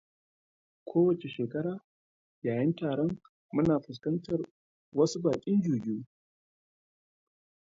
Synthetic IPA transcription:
kʷʰoː˦wɐ˨t͡ʃe˨ʃeː˨kɐ˦ɽaː˨ | jaː˨jɪ˦ntaː˨ɽɔ˦ŋ | mʊ˦naː˨ɸʊ˨s̬kɐ˦ntɐ˨r | wɐ˦su˦baː˨kʲʼɪ˦nd͡ʒuː˨ɡɪ˦uː˦

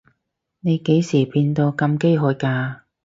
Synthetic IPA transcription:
ne˨˧jke˨˥jsiː˨˩piː˧nt̪o˧wkɐ˧mke˥jɦɔː˨˥jkaː˧

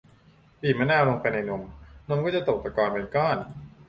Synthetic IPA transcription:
piː˨˩ma˧˥naː˥˩lo˧ŋpa˧jna˧jno˧mno˧mkɔː˥˩t͡ɕa˨˩t̪o˨˩k̚t̪a˧˩kaː˧npe˧nkɔː˥˩n

